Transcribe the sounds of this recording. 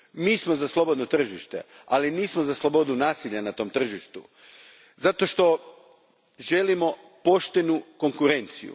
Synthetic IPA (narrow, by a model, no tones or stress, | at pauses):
miːsmo̞zaslˠo̞bo̞d̪not̪r̩ʒiʃt̪e̞̰aliniːsmozaslˠo̞bo̞d̪unaːsiʎanat̪o̞ːmt̪r̩ʒiʃt̪u | zat̪o̞ʃt̪o̞ | ʒe̞limo̞ | po̞ʃt̪e̞nuko̞ŋkuɾe̞nt̪sḭjṵ